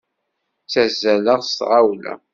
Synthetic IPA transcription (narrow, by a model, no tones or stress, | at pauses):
t͡sæzːæləʁst̪ʁawlæ̰